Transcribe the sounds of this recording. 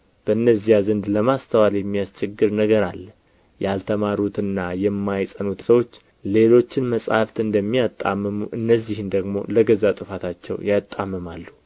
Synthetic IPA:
b̥əɨnːəzijazənd̪ləmast̪ʰəwaljɛmːijast͡ʃʰɛɡːɨɾnəɡəɾalː | jalt̪ʰəmaɾut̪ɨnːajɛmːajsʼənut̪səwo̞t͡ʃː | le̞lo̞t͡ʃːɪnməsʼa̰ft̪ɨnd̪əmːijat̪ʼːa̰mːəmuʔɨnːəzːihɨnd̪əɡmo̞̰ləɡəzat̪ʼɨfat̪ʰat͡ʃːɛ̰wjat̪ʼːamːəmalːu

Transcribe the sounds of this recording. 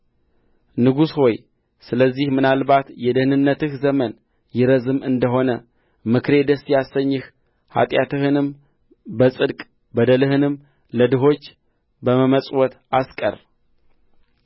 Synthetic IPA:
nɨɡusho̞j | sɨləzːihmɨnalbat̪jɛd̪ɨhnɨnːət̪ɨhzəmən | jɪɾəzɨmɨnd̪əɦo̞nə | mɨkɾe̞d̪əsjasəɲːɪh | ha̰t̪ʼjat̪ɨhɨnɨm | bəsʼɨd̪kʼ | bəd̪əlɨhɨnɨm | ləd̪ɨɦo̞t͡ʃː | bəməməsʼwɔt̪ | askʼə̰r

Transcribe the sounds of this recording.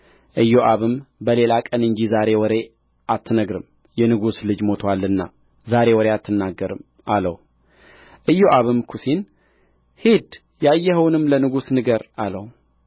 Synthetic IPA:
ʔɨjːoʔaβɨmbəle̞lakʼənɨɲd͡ʒizaɾe̞wɔɾe̞ | ʔat̪ʰːɨnəɡɾɨm | jɛnɨɡuslɨd͡ʒmo̞t̪ʰwalːɨnːa | zaɾe̞wɔɾeat̪ʰːɨnːaɡːəɾɨm | ʔalə̰w | ʔɨjːoʔaβɨmkʰusin | hid̪ | jajːɛɦəwnɨmlənɨɡusnɨɡəɾaləw

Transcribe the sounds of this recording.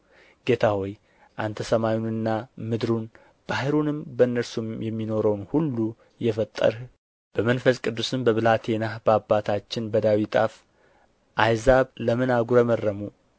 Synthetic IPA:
ɡ̥e̞t̪ʰawɔj | ʔant̪ʰəsəmajunɨnːamɨd̪ɾun | b̥ahɨɾunɨmbəɨnːəɾsumjɛmːino̞ɾəwnhulːu | jɛfət̪ʼːə̰ɾh | b̥əmənfəskʼɨd̪ːusɨmbəβɨlat̪ʰe̞nahbəabːat̪ʰat͡ʃːɪnbəd̪awit̪ʼaf | ʔajzaβləmɨnaɡuɾəmərːəmu

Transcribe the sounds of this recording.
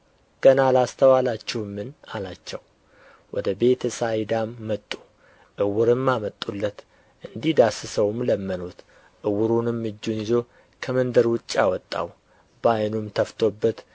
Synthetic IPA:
ɡ̥ənalast̪ʰəwalat͡ʃːɛhmːɨnalat͡ʃːɛw | wʔɔd̪əbe̞t̪ʰsajd̪amːət̪ʼːu | ʔɨwʊɾɨmːamət̪ʼːulːət̪ | ʔɨnd̪ihd̪asɨsəwmləmːənut̪ | ʔɨwʊɾunɨmːɨd͡ʒːunizo̞ | kʰəmənd̪əɾwʊt͡ʃʼːawɔt̪ʼːa̰w | bajnumt̪ʰəft̪ʰo̞bːət̪

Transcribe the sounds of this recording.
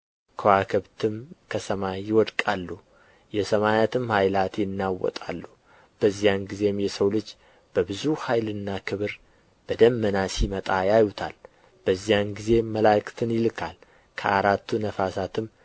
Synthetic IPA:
kʰəwakʰɨβt̪ʰɨmkʰəsəmajɪwɔd̪kʼalːu | jɛsəmajat̪ʰɨmhajlat̪jɪnːawːɔ̰t̪ʼa̰lːu | b̥əzːijanɡize̞mjɛsəwlɨd͡ʒ | b̥əbɨzuhajlɨnːakʰɨβɨɾ | b̥əd̪əmːənasjimət̪ʼajajut̪ʰa̰l | b̥əzːijanɡize̞məlakʼt̪ʰɨnjɪlɨkʰal | kʰə̰ʔaɾat̪ʰːunəfasat̪ʰɨm

